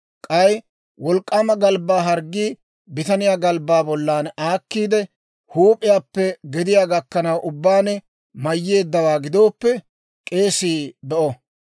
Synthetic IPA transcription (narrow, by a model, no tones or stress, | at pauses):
kʼɐj | wɔlkʼːamɐɡɐlbaːɦɐɾɡːiː | bɪt̪ɐnɪjaːɡɐlbːaːbɔlːaːnaːkːiːd̪ɛ | huːpʼɪjaːpːɛɡɛd̪ɪjaːɡɐkːɐnɐwʔʊbːaːnɛ | mɐjːe̞ːd̪ːɐwaːɡɪd̪o̞ːpːɛ | kʼe̞ːsiːbɛʔɔ